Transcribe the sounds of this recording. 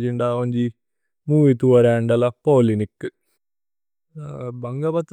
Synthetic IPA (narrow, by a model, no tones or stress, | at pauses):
d͡ʑiɳɖaːʋɐɲd͡ʑi | muːit̪uʋɐɾaːɳɖɐlɐpoːlinikːɨ | bɐŋɡɐbɐt̪ː